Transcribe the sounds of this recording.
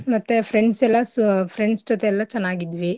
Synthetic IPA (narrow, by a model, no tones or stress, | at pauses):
mɐt̪ːepʰɾeɳɖsɛlːɐspʰɾeɳɖsd͡ʒot̪ɛlːɐt͡ʃɛnːaːɡid̪ʋi